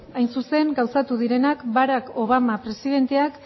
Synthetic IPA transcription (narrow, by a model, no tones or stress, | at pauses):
ajnsuse̞ŋɡawsat̪uðiɾe̞nakbaɾako̞β̞amapɾe̞siðe̞nt̪e̞ak